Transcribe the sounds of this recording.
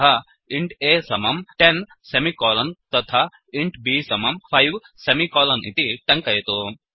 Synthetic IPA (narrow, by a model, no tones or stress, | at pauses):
a | iɳʈeːsɐmɐmʈen | semikɔːlɐnt̪ɐt̪ʰa | iɳʈbiːsɐmɐmpʰɐjʋ | semikɔːlɐnʔḭt̪iʈɐŋkɐjɐt̪o